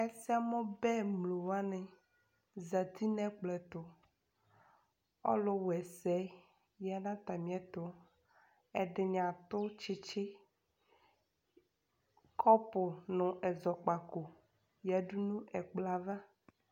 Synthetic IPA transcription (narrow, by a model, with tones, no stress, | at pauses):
ɛ˦si˦a˨mɔ̃˦bɛ˦mlo˨wa˦nɛ̃˨ | za˨t̪i˦nɛ̃˦k͡plɛ˨t̪ʊ˨ | ɔ̰˦lʊ˦wɛ˨sɛ˨˦ | ja˨nã˦t̪a˨mĩ˦ɛ˦t̪ʊ˦ | ɛ˨ɖɪ˨ɲã˨t̪ʊ˦t͡ʃɪ˦t͡ʃɪ˦ | kʰɔ˦pʊ˨nʊ̃˨ʔɛ˨zɔ˨k͡pa˨ko˨ | ja˨ɖu˦nũ˦ʔɛ˨k͡pla˨va˦